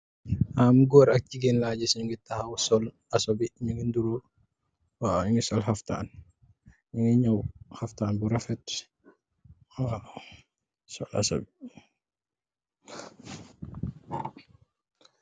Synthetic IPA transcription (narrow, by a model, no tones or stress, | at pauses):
ʔamɡɔːɾɐk̚ciɡenlaːɟɛsiɲuŋɡitahawsɔl | asobiɲuŋɡinduɾu | waɲuŋɡisɔlɦafta̰ːn | ɲuŋɡiɲɔwhaftaːnbuɾafɛt | a | sɔla̰so̰bi